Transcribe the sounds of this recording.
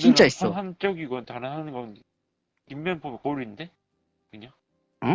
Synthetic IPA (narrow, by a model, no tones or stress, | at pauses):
t͡ɕint͡ɕ͈ais͈ʌɦant͡ɕ͈ʌɡiɡʌtanɯnɦanɯnɡʌn | kimːʌnpʰomkoɾinde | kɯɲa